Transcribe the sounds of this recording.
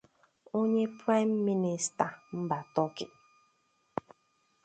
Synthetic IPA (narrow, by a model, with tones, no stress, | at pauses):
o˦ɲe˦pɾa˦ɪ˦m̩ːi˦ni˨sta˨m̩˦ba˨tɔ˦kɪ˨